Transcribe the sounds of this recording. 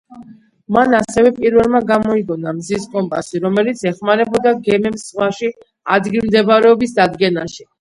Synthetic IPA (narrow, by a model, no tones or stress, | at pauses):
manasɛvɛpʼiɾvɛlˠmaɡamɔiɡɔnamziskʼɔmpʼasiɾɔmɛlit̪sʰɛχmaɾɛbɔd̪aɡɛmɛmsʁwaʃi | a̰d̪ɡilˠmd̪ɛbaɾɛɔbisd̪ad̪ɡɛnaʃi̥